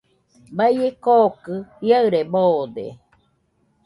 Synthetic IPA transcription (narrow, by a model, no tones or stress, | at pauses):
baijekoːkɯhiaɨɾeboːd̪ḛ